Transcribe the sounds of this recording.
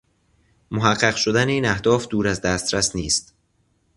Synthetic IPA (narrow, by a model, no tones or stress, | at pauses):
moɦæɢːæɣʃod̪æneiːnæhd̪ɒːfd̪uːɾæzd̪æːst̪ɾæsniːst̪